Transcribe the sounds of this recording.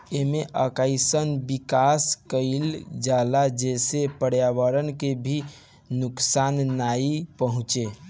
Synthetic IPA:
emeʔəkaɪsənbikaskəɪld͡ʒalad͡ʒesepəɽjaβəɾənkebʱi | nuksanːaipəɦũt͡ʃe

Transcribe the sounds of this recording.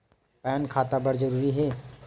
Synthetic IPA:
pɛːnkʰaːt̪abɐɾd͡ʒɐɾuːɾiɦɛː

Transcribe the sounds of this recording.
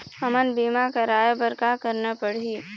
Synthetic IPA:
ɐmənbiːmakaɾaːjbəɾkakɐɾnapəɽiː

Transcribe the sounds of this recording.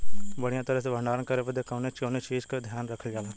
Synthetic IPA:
bəɽ̤ijãt̪ɐɾəsebʱɐ̃ɳɖaːɾənkɐɾebəd̪ekɐ̃ːnet͡ʃõːnet͡ʃiːd͡ʒked̪ʱjaːnɾɐkʰəld͡ʒaːlãː

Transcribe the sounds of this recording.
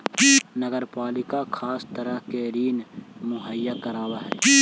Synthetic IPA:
nəɡəɾpaːlɪkakʰaːst̪əɾəɦkeɾiːnmʊɦəjːakəɾaːwaɦɛː

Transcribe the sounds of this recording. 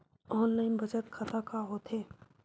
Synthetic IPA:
ɔːnlaːɪnbɐd͡ʒət̪kʰɐt̪akaɦoːt̪eː

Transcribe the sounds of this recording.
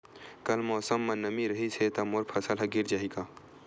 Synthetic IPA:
kɐlmɔːsəmːɐ̃nɐmiɾɐɦiset̪ɐmoɾpʰɐsəlɦɐɡɪɾd͡ʒaːɦikaː

